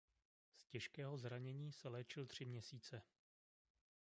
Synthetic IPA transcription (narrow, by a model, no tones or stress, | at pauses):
scɛʃkɛːɦo̞zɾaɲɛɲiːsɛlɛːt͡ʃɪlt̪r̥ɪmɲɛsiːt͡sɛ